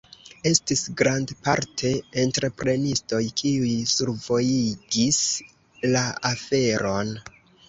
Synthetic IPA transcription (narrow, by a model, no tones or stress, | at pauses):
e̞stisɡɾandpa̰ɾtʰe̞ːntɾe̞pɾe̞nisto̞jkʰiujsuɾvo̞jiɡis | laafe̞ɾo̞n